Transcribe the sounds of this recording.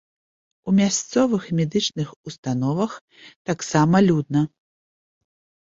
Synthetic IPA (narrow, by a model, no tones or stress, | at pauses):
umʲast̪sɔvɨxmʲɛd̪ɨt͡ʂnɨxust̪anɔvɐx | t̪aksamɐlʲud̪nɐ